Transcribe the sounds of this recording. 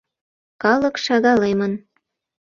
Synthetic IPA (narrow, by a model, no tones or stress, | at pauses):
kɑləkʃɑɣɑlemən